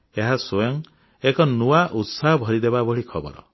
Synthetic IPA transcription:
eɦasojɔŋ | ekɔnuaʔut̪saɦɔbʱɔɾid̪ebabɔɭikʰɔbɔ̰ɾɔ̰

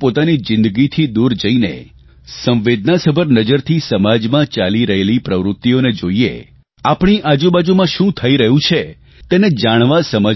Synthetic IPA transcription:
pot̪anid͡ʒɪ̃nd̪əɡit̪ʰid̪uɾd͡ʒəinḛ | sə̃mʋed̪̚nasəbʱəɾnəd͡ʒəɾt̪ʰisəmad͡ʒmãt͡ʃaliɾəɦelipɾəʋɾʊt̪ːioned͡ʒoiḛ | apɳ̃iʔad͡ʒũbad͡ʒumãʃũt̪ʰəiɾəɦũt͡ʃʰe | t̪ened͡ʒaɽ̃ʋasəmə

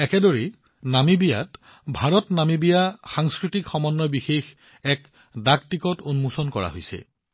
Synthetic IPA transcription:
ɛkɛdoɹi | namibija̰t | bʱaɹɔtnamibijaxaŋskɹitikxɔmɔnːɔbixex | ɛk | daktikɔtonmusɔnkɔɹa̰ɦojsɛ̰

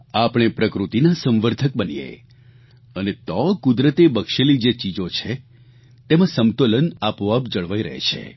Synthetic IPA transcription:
apɽ̃epɾəkɾut̪inasə̃mʋəɾt̪ʰək̚bənḭjḛ | ənet̪ɔkud̪ɾət̪ebəkʃelid͡ʒet͡ʃid͡ʒot͡ʃʰe | t̪emãsəmt̪olənapoapd͡ʒəɭʋaiɾə̰ɦḛt͡ʃʰḛ

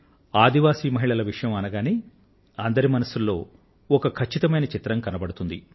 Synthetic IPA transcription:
aːd̪iʋaːsiːmɐɦiɭɐlɐʋiʂɐjɐmɐnɐɡaːni | ɐnd̪ɐɾimɐnɐsulːo̞ː | ɔkɐkʰɐt͡ʃːit̪ɐmɐjnɐt͡ʃit̪ɾɐmkɐnɐbɐɽut̪und̪ḭ

